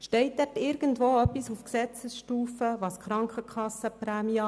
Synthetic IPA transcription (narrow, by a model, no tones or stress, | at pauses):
ʃtɛɪt̚ːɛtɪɾɡ̥əntvoːœpːisufksɛt͡səsʃtuːfəvɑskɾɑŋkχəkʰɑsəpɾæːmiɑ